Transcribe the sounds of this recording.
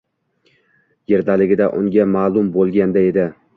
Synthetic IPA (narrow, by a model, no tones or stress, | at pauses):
je̞ɾd̪alɪɡʲɪd̪aʔʊ̰ŋɡʲamaːlˠʊmbolˠɡʲand̪ae̞d̪ɪ